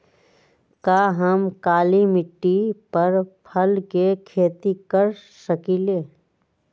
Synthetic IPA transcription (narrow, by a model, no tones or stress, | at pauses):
kaːɦɐmkaːlimɪʈːipɐɾpʰɐlkekʰeːt̪ikəɾ | səkiːleː